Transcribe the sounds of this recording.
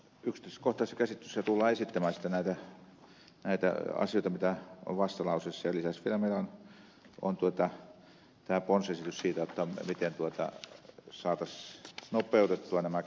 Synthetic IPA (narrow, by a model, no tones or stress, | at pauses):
ykst̪eskoht̪ɑˑisːekæsit̪ːy̥sːɑt̪ulːɑːesit̪ːæmæːsi̥t̪ːænæˑit̪æ | næit̪æ̰ɑ̰sijoˑit̪ɑmit̪æo̰ʋɑst̪ɑlɑusesːɑjɑlisæsʋielæmeˑilon | o̰nt̪uot̪ɑ | t̪æːponsesit̪yssiːt̪æjot̪ːɑmit̪ent̪uot̪ɑ̰sɑːt̪ɑsnopˑeut̪et̪ːuɑnæmæ